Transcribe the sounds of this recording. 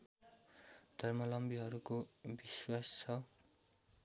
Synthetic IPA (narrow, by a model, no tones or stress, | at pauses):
d̪̥ʱʌrmʌlʌmbiɦʌɾukobiswast͡sʰʌ